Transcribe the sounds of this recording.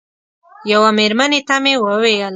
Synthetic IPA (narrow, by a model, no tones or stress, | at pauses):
jawameɾmanet̪amewəwejəl